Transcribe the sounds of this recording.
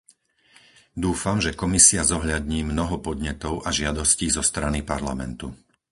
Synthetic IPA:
d̪uːfamʒɛkɔmisiazɔɦʎad̪ɲiːmnɔɦɔpɔd̪ɲɛt̪ɔʊʔaʒɪad̪ɔsciːzɔst̪ɾanipaɾla̰mɛ̰nt̪u

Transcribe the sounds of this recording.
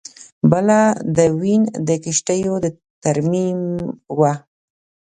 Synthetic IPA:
bəlad̪əwind̪əkiʃʈəjod̪ə | t̪aɾmimwa

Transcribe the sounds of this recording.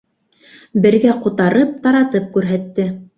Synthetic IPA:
bɘ̆ɾɡæqut̪ɑɾɤp̚t̪ɑɾɑt̪ɤp̚kʉɾɦæt̪ːɘ

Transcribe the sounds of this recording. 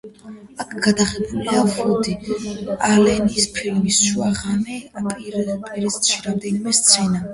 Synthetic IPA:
akʰɡad̪aʁɛbuliavɔd̪ialɛnispʰilmisʃuaʁanɛapʼiɾɛpʼiɾɛst̪ʃiɾamd̪ɛnimɛst̪sʰɛna

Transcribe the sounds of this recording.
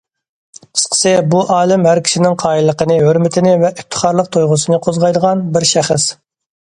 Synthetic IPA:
ə̥sqʰə̥sɨbuʔɑːlˠɨmhæɾkʲi̥ʃinɪŋqʰɑːjilˠːəqənɨɦøɾmɪt̪ʰɪnɪvɛʔɪp̚t̪ʰə̥χɑɾlˠəq̚t̪ʰojʁʊsɨnɨqʰozʁɑjd̪əʁɑnbɪɾʃæχəs

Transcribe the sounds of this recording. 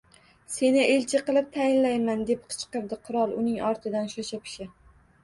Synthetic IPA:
se̞nɪʔelt͡ʃʰɪqɨlˠɪp̚t̪ʰajɪnlajmand̪ep̚qʰɨ̥t͡ʃqɨɾd̪ɪqʰʊɾɒlˠʊnɪŋɒɾt̪ʰɪd̪anʃoʃapʲʰɪ̥ʃɪ

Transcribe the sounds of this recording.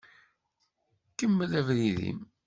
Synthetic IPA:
kːəmːəlævðiðḭm

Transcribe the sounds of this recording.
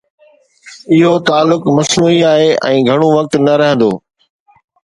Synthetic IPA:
ɪɦot̪aːlːʊkmɐsnuːiaːɦeːʔɛ̰̃ːɡʱɐɽ̃oʋɐk̚t̪nɐɾɐɦə̃nd̪oː

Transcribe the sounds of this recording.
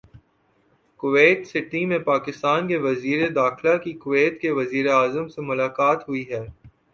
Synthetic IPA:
kʊʋeːʈsɪʈimẽpaːkɪst̪aːnkeʋɐziːɾed̪aːxlakikʊʋeːʈkeʋɐziːɾeaːzəmsemʊlaːkaːt̪ɦʊiɦɛː

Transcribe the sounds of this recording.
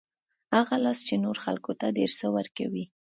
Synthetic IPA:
haɣalɑst͡ʃenoɾxa̰lkot̪ad̪eɾsəwəɾka̰wi

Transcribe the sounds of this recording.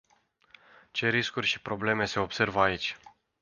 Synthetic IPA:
t͡ʃe̞ɾiskurʲʃipɾo̞ble̞me̞se̞o̞bse̞rvəait͡ʃʲ

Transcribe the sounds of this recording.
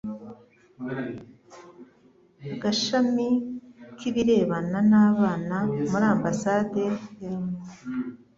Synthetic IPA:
ɡaʃamikiβiɾe̞ːβananaːβaːnamuɾaːmbasaːde̞jamo

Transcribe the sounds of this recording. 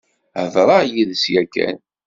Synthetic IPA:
əvɾˤɑjiðəsjækːæ̰n

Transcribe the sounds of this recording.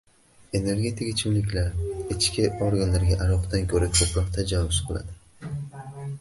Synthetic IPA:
e̞ne̞ɾɡʲe̞t̪ʰɪkʲɪt͡ʃʰɪmlɪkʲlaɾɪt͡ʃkʲʰɪoɾɡanlaɾɡʲaʔaɾɒqt̪d̪ankʲʰɵɾakʲʰɵpɾɒqt̪ʰad͡ʒavʊsbola̰d̪ɪ

